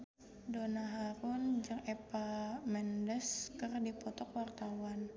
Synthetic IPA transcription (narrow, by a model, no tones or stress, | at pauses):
donaɦaɾʊnd͡ʒəŋepamɛndəskərdipɔt̪ɔkwart̪awan